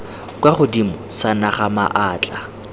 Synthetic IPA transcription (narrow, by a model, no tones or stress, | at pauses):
kwaχʊdimɔsanaχama̰ʔaːt͡ɬʼa